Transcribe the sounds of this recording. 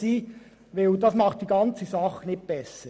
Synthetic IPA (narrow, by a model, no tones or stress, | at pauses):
iː | ʋeud̥ɑsmɑχt̚d̥iːɡɑnt͡səsɑχənɪt̚b̥ɛsə